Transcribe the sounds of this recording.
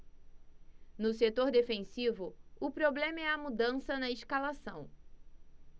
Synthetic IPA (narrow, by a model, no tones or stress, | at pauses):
nʊset̪oɾd̪efẽsivʊʊpɾoblẽmɐɛɐmud̪ɐ̃sɐnɐɪʃkalasɐ̃w̃